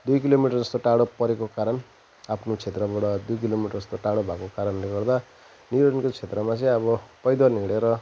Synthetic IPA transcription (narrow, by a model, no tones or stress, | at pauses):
d̪ujkilomiʈʌrd͡zʌst̪oʈaɽopʌɾekokaɾʌn | apʰnot͡sʰet̪rʌbaɽʌd̪ujk̬ilomiʈʌrʌst̪oʈaɽobʱakokaɾʌnleɡʌrd̪a | niʌʌnkot͡sʰet̪rʌmat͡sʌ̃j̃ʌβʌpʌjd̪ʌniɽeɾʌ